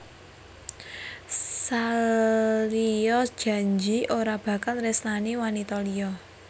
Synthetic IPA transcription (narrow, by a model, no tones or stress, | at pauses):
sa | liɔsd̥ʒ̥ä̤ɲd͡ʒiʔoɾab̥ä̤kalresnaniwanit̪ɔliɔ